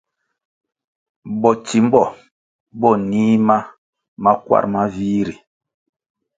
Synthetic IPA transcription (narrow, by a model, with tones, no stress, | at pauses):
bɔ˨t͡ʃi˨m̩˦bɔ˦˨ | bɔ˦˨niː˦ma˦ | ma˦kwa̰˦ɾma˦viː˦ɾi˨